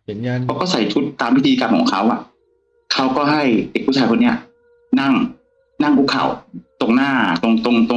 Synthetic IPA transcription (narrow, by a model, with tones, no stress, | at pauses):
kʰa˧˥wkɔː˥˩sa˨˩˦jt͡ɕʰu˦˥t̪ːaː˧mʰːi˦˥˩t̪ʰiː˧kaː˧mkʰɔ̰ː˩˦ŋkʰa˦˥wʔa˨˩ | kʰa˦˥wkɔː˥˩ɦa˥˩jde˨˩k̚ʰːuː˥˩t͡ɕʰaː˧˩jko˧nːi˦˥ɐ˧ | na˥˩ŋ | na˥˩ŋkʰuː˦˧˥kʰa̰˨˩wt̪o˨˩ŋ̚naː˥˩t̪o˧ŋt̪o˧ŋt̪o˧